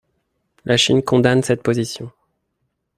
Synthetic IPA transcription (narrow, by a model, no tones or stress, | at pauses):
lʔaʃinkɔ̃d̪ansɛt̪̚pozisjɔ̃